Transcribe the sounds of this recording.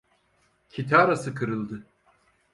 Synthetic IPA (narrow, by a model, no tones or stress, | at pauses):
cʰit̪ʰaːɾasɯkʰɯɾɯlˠd̪ɯ